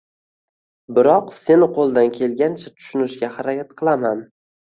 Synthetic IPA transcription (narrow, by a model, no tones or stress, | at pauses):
bɪɾɒqse̞nqʰolˠd̪ankʲʰe̞lɡʲant͡ʃʰat̪ʰʊ̥ʃʊnɪʃɡʲahaɾakʲat̪̚qʰɨlˠaman